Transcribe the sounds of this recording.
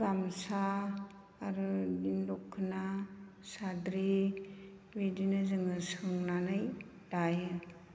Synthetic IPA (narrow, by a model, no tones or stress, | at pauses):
ɾamsaː | ɾudinlɔkʰːɯna | sadɾi | widinazɯŋɯsɯŋnanaj | dajɯ